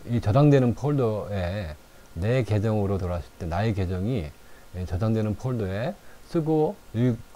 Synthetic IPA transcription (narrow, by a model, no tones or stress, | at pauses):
it͡ɕʌdaŋdwe̞nɯnpʰoɭdoe̞ | ne̞ke̞d͡ʑʌŋɯɾotoɾaɕʰi̥t͈enaeke̞d͡ʑʌŋit͡ɕʌdaŋdwenɯnpʰoɭdoe̞sʰɯɡoiɭ